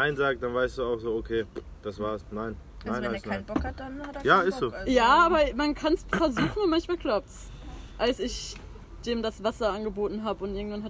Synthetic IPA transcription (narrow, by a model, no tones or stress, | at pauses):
naɪnzaːɡ̚d̥anvaɪstd̥uːaʊxz̥oːokʰeː | d̥asv̥aːɐsnaɪn | nːaɪnasaɪnbɔkadanːjaːɪstz̥oːjaːaːbɐmankʰansfɛɐzuːχn̩ʊnmançmaːlɡ̥laʊp̚ts | ʔalsɪç | d̥eːmdasv̥asɐʔanɡəboːtn̩ɦaːbəʊntʔɪɐɡŋ̩tv̥anha